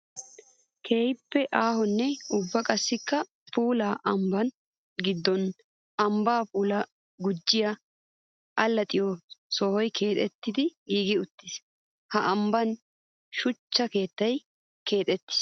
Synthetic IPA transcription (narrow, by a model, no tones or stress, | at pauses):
kʰe̞ːjpːɛʔaːhɔnːɛʊbːɐkʼɐsːɪkːɐ | pʰuːlaːʔɐmbɐn | ɡɪd̪ːɔn | ɐmbaːpuːlɐ | ɡʊd͡ʒːɪjɐ | ʔɐlːɐt̪ʼɪjɔsɔhɔjkʰe̞ːt̪ʼɛt̪ːɪd̪ɪiːɡɪʊt̪ːɪs | hɐʔɐmbɐn | ʃʊt͡ʃːɐke̞ːt̪ːɐj | ke̞ːt̪ʼɛt̪ːɪ̥s